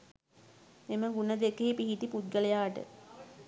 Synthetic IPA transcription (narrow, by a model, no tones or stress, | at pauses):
eməɡunəd̪ekːeːpiɦit̪ipud̪̚ɡələjaːʈə̰